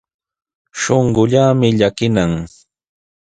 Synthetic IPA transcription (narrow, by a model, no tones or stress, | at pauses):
ʃoɴɢʊʎaːmɪʎakɪnaŋ